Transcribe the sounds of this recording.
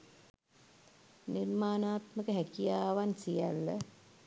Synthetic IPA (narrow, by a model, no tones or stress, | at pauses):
nirmaːnaːt̪məkəɦækijaːʋansijælːə